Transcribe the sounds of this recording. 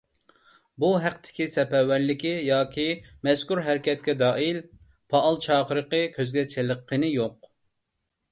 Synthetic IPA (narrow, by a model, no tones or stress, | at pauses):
buɦæqt̪ʰɪ̥kʲisɛpɛwæɾlɪkʲijɑːkʲʰimɛskuɾɦæɾkʲɛt̪̚kʲɛd̪ɑːil | pʰɑʔːlˠt͡ʃʰɑːqəɾəqəɨkʲʰøzɡʲɛt͡ʃʰeləqʰːənɪjoq